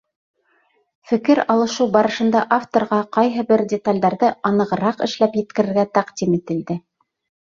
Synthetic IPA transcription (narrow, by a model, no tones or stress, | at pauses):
fɘ̆kɘɾɑlˠɤ̆ʃɤwbɑɾɤ̆ʃɤ̆nd̪ɑʔaft̪oɾʁɑqɑjɦɤbɘɾdʲɪt̪alʲd̪ɑɾðɤɑnɤ̆ʁɤ̆ɾɑqɘ̆ʃlæpjɘ̆t̪̚kɘ̆ɾɘ̆ɾɡæt̪æqd̪ʲimit̪ɘ̆ld̪ɘ